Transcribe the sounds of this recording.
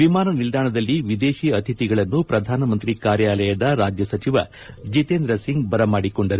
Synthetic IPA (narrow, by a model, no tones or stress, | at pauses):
ʋimaːnɐnild̪aːɳɐd̪ɐlːiʋid̪e̞ːʃiɐt̪ʰit̪iɡɐɭɐnːupɾɐd̪ʱaːnɐmɐnt̪ɾikaːɾjaːlɐjɐd̪ɐɾaːd͡ʒjɐsɐt͡ʃiʋɐ̰ | d͡ʒit̪eːnd̪ɾɐsiŋɡbɐɾɐmaːɽikoɳɖɐɾu